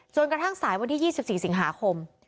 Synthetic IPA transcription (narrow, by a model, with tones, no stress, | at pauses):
t͡ɕo˧nkɾa˧t̪ʰa˥˩ŋsaː˩˦jwa˧nt̪ʰiː˥˩jiː˥˩si˨˩p̚siː˨˩si˨˩˦ŋɦaː˩˦kʰo˧m